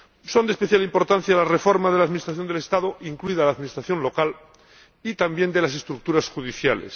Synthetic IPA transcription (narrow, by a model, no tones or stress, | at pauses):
so̞nd̪espe̞θjalimpo̞ɾt̪an̟θjalarefo̞ɾmaðe̞laðminist̪ɾaθjo̞nd̪elest̪aðoiŋkluiðalaːðmĩnist̪ɾaθjo̞nlo̞kal | it̪ambje̞nd̪e̞lase̞st̪ɾuk̚t̪uɾasxuðiθjalḛs